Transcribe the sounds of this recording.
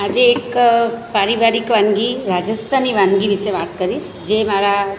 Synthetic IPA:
ad͡ʒeeːkpaːɾiʋaːɾikʋaŋɡiɾaːd͡ʒəst̪ʰaniʋaŋɡiʋiseʋaːt̪kɐɾis | d͡ʒeːmaɾa

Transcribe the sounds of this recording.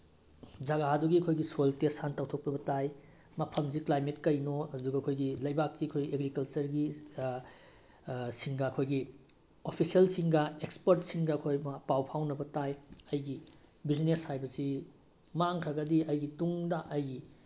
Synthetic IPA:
d͡ʒɐɡaɦaduɡiɐkʰojɡisojltesantawtʰok̚pɾibɐtaj | mɐpʰɐmziklajmetkɐjnoɐduɡɐkʰojɡilɐjbakːiɐkʰojeɡɾikɐlt͡ʃɐɾɡi | siŋɡaɐkʰojɡi | opʰisiɐlsiŋɡɐekspɐɾtsiŋɡɐɐkʰojmɐpawpʰawnɐbɐtajɐjɡi | bizneshajbɐsi | maŋkʰɐɡɐdiɐjɡituŋdɐʔɐjɡi

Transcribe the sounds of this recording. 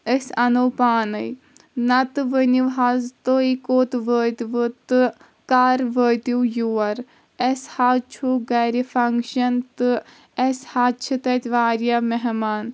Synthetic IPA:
esɐnoːpaːnɨj | nɐt̪ɨʋəniʋɦazt̪oikoːt̪ʋəːt̪ʋɨt̪ɨ | kaːɾʋəːt̪uwjuːɐɾ | eshaːt͡ʃʰuɡɐɾifʰɐŋkʃɐnt̪ɨ | eshat͡ʃʰɨt̪ɐt̪ʲʋaːɾjameɦmaːn

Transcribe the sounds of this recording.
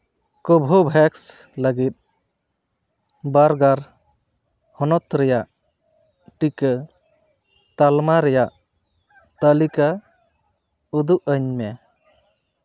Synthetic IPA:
kɔbʱɔbʱɛks | ləɡit̪̚ˀ | baɾɡaɾ | hɔnɔt̪ɾɛjaʔ | ʈikə | t̪almaɾɛjaʔ | t̪əlika | ud̪uʔəɲmɛ

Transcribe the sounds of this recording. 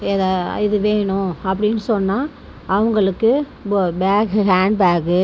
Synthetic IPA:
eːðaːɪðɯʋeːɳʊ̃ɐpːɐɽɪnːɯsɔnːaː | ʔɐʋɐŋɡɐɭɯkːɯ | baːɡɦaːɳɖbaːɡɯ

